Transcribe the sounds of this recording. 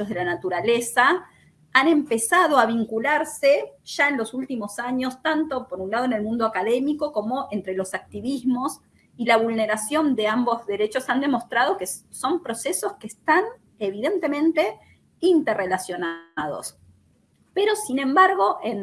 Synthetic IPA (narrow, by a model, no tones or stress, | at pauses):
ozð̞elanat̪uɾalesa | ane̞mpe̞sað̞o̞aβ̞iŋkulaɾseʒ̥aenlo̞sult̪imo̞saɲo̞st̪ant̪o̞poɾunlað̞oenelmũnd̪oakaðe̞miko̞ko̞mo̞ʔent̪ɾe̞lo̞sak̚t̪iβizmo̞s | ilaβ̞ulne̞ɾasjo̞nd̪eambo̞zðe̞ɾet͡ʃo̞sand̪e̞mo̞st̪ɾaðo̞keso̞mpɾo̞seso̞skeːst̪an | eβ̞iðe̞nt̪e̞mẽ̞nt̪e̞ | int̪errelasjo̞nað̞o̞̰s | peɾo̞sinẽ̞mbaɾɣ̞o̞ʔen